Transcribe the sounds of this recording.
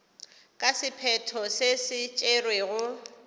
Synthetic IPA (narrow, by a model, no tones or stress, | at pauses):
kʼasɪpʰɛtʰɔsesɪt͡ʃʼerweɣʊ